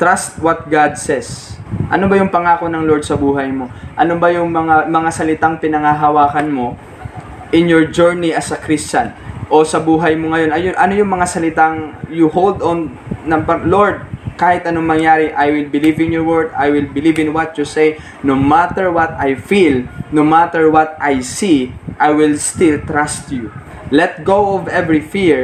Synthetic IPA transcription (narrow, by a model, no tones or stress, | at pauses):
t̪ɾast̪̚wɐt̪̚ɡad̪̚sɛsʔɐnobɐjʊŋpɐŋaːko̞nɐŋloɹd̪̚sɐbuːɦɐjmo̞ʔɐnobɐjʊŋmɐŋamɐŋasɐlɪt̪aŋpɪnɐŋɐɦɐwaːkɐnmo̞ | ʔɪnjoɹd͡ʒɛɹniɐsɐkɾist͡ʃɐnʔo̞sɐbuːɦɐjmoŋɐjo̞nɐjoʔɐno̞jʊŋmɐŋasɐlɪt̪aŋjʊhold̪onːɐŋpɐloɹd̪̚kaːhɪt̪ɐnoŋmɐŋjaːɾɪʔajwɪlbɪlivɪnjɔɹwɛɹd̪ajwɪlbɪlivɪ̃nwɐt̪̚jusej | nomat̪ɛɹwɐt̪ajfilnomat̪ɛɹwɐt̪̚ʔajsiʔajwɪlst̪ilt̪ɾast̪ju | lɛt̪̚ɡowovɛvɹifiɹ